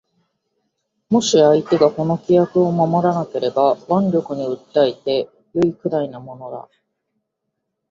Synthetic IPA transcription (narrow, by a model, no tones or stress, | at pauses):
mo̞ɕiait̪e̞ɡako̞no̞kʲijakɯ̟o̞mamo̞ɾanake̞ɾe̞baβãnɾʲo̞kɯ̟ɲ̟iɯ̟t̪ːait̪e̞ | joikɯ̟ɾainamo̞no̞d̪a̰